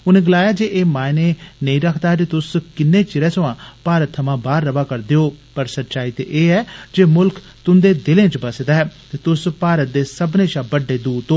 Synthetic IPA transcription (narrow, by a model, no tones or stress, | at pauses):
ʊnẽːɡəlaːjaːd͡ʒeːʔeːmãːɪneːnəĩːɾəkʰd̪aːɦɛd͡ʒeːt̪ʊskɪnːeːt͡ʃɪɾɛ̃ːsəʋãːpaːɾət̪ʰːəmãːbaːɾːəʋaːkəɾd̪eːoːpəɾsət̪ːʃaːiːt̪ḛːʔeːɛːd͡ʒeːmʊlk | t̪ʊnd̪eːd̪ɪlẽːt͡ʃbəsd̪aːɦɛːt̪eːt̪ʊspaːɾət̪̚d̪eːsəbnẽːʃãːbəɖːeːd̪uːt̪oː